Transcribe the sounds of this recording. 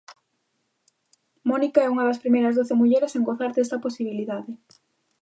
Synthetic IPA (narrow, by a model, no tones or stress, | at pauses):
mɔnikaɛuŋɐðɐspɾimejɾɐzðoθemuʎɛɾeseŋɡoθaɾdɛst̪ɐposiβiliðaðɪ